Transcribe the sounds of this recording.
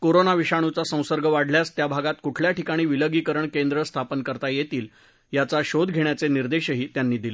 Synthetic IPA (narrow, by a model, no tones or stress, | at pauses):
koɾonaʋiɕaɽ̃ut͡sasə̃w̃səɾɡʱəʋaɽljast̪jabʱaɡat̪kuʈʰljaʈikaɽ̃iːʋiləɡiːkəɾəɳkend̪ɾəst̪ʰapənkəɾt̪ajet̪iːl | jat͡saɕod̪ɡʱeɳjat͡seniɾd̪eɕəɦiːt̪janːiːd̪ilə